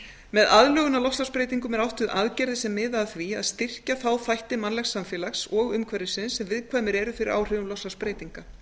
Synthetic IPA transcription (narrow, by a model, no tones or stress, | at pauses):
mɛðaðlœːɣʏnalɔslaspɾeːjt̪iŋkʏmɛɾawht̪ʏðʔaðcɛɾðɪsɛmːɪːðaθvia̰ðst̪ɪr̥caθawθajht̪ɪmanlaɛxsːamfjɛːlaxsɔɣʏmkʰvɛɾɪsɪnsːɛmvɪðkʰvaːmɪɾɛɾʏfɪɾɪɾa̰ːwr̥ʏvʏmlɔslaspɾeːjt̪iŋka